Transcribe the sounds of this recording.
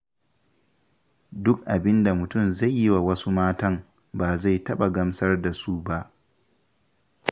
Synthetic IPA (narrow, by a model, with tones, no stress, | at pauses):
dʊ˦kʔa˨bɪ˦nda˨mʊ˨tʊ˦˨mza˦˨jːi˦wa˨wɐ˦su˦maː˦tɐ˦ŋ | baː˨za˦˨jtɐ˦ɓa˨ɡɐ˦msɐ˦rda˨su˦ba˦ʔ